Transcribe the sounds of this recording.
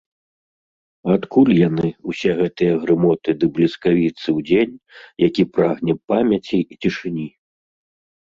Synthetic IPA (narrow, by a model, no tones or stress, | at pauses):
at̪kulʲjanɨusʲɛɣɛt̪ɨjɐɣɾɨmɔt̪ɨd̪ɨblʲiskavʲit̪sɨwd͡zʲenʲjakʲipɾaɣnʲɛpamʲɐt͡sʲiːt͡sʲiʂɨnʲi